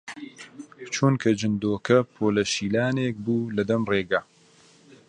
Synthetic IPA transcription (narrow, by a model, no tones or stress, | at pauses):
t͡ʃʰunkʰɐd͡ʒɨnd̪oːkɐpʰoːlɐʃiːlaːneːk̚buːlɐd̪ɐmreːɡaː